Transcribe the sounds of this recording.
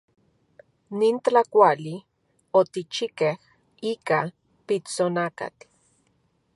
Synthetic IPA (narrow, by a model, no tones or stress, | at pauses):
nintakʷali | ot̪it͡ʃikeh | ika | pit͡sonaka̰t̪